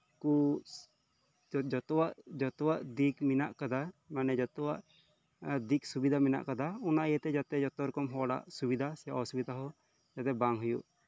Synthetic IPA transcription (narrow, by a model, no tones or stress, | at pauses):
ku | d͡ʒɔt̪ɔwaʔd͡ʒɔt̪ɔwaʔd̪ikminaʔkad̪amanɛd͡ʒɔt̪ɔwaʔ | d̪ik̚subid̪ʱamina̰ʔkad̪aɔnaʔjət̪ɛd͡ʒat̪ɛd͡ʒɔt̪ɔɾɔkɔmɦɔɔɽa̰ʔsubid̪ʱasɛja̰ʔɔsubid̪ʱaɦɔ | d͡ʒat̪ɛbaŋɦujṵʔ